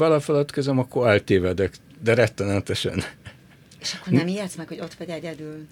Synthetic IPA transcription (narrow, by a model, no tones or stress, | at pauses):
bɒlɒfɛlɒt̪køzɛmɒkːoɾɛlt̪eːvɛd̪ɛk | d̪ɛɾɛkt̪ːɛnɛt̪ɛʃɛ̰n | eʃɒkkːornɛmiɛt̪smɛkho̞ɟo̞t̪ʋɛɟɛɟɛd̪yl